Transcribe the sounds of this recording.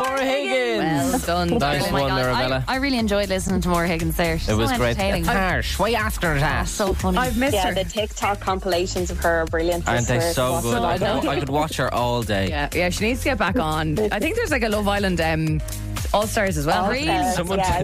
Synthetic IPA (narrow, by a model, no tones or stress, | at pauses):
mɔɹəhɪɡə̃wɛdʊ̃nðaʌ̃mɪɹəaɛləaɪɹɪːliɛ̃nd͡ʒɔɪdˡlɪsənɪ̃ŋtʰəmɔɹəhɪɡə̃nzðə˞ɪt̚wɒzɛ̃ɹeɪteɪɪ̃ŋaɹʃweɪaftə˞ətʰa̰ssoʊfʊnaɪvmɪsjə˞ðətʰɪk̚tʰɑkʰːɑ̃mpəleɪʃə̃nzəv̥ə˞əbɹɪljə̃nə̰̃ndeɪssoʊɡʊdaɪkaɪkəd̚wɔt͡ʃhə̰˞ʔɔːlˠdeɪjæjæʃiniːdz̥tʰəɡɛt̚b̥ak̚n̩aɪθɪ̃ŋk̚ðə˞zlaɪkəlʊvaɪlə̃ndʌ̃m | ɔːlˠstaːɹzəzwɛlˠɹiʌ̃mwʌ̃jæ